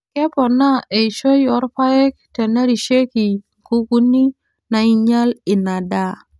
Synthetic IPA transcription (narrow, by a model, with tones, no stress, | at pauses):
kɛ˦pɔ˨na˦e˨i˨ʃo˦jɔ˨˦ɾpa˦ɛ˦k̚tɛ˨na˦ɾi˨ʃe˦ki˨ | ku˦ɡu˦ni˦ | na˨i˦ɲa˦lɪ˨na˨da˦˨